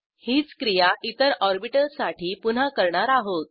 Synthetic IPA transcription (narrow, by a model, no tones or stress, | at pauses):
hiːt͡skɾijaʔit̪əɾɔɾbiʈəlsaʈʰiːpun̤akəɾɳaɾaɦot̪̚